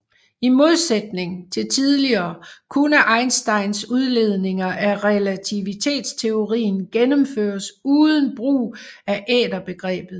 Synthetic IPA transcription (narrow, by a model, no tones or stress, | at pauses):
imo̝ð̞ˠsed̥ne̝ŋt͡sʰe̝lt͡sʰiðˠliɐːkʰunəʔɑ̈ɪnsd̥ɑ̈ɪnsuð̞ˠle̝ð̞ˠne̝ŋɐʔæʁɛlæt͡sʰiʋit͡sʰe̝̰ːd̥st͡sʰe̝o̝ʁḭːn̩ɡ̥enəmfø̰ːɐsuːðˠən̩b̥ʁṵːæʔɛ̰ːd̥ɐb̥e̝ɡ̥ʁɛ̰ːb̥ð̞̩ˠ